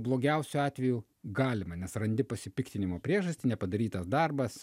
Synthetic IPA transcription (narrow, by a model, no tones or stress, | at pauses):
blˠoːɡʲɛʊsʲʊɑːt̪ʲʋʲɛjuː | ɡɑːlʲɪmɐnʲɛsrɐnʲd̪ʲɪpɐsʲɪpʲɪkt̪ʲɪnʲɪmoːpʲɾʲiɛʒɐsʲt̪ʲɪnʲɛpɐd̪ɐɾʲiːt̪ɐsd̪ɐrbɐs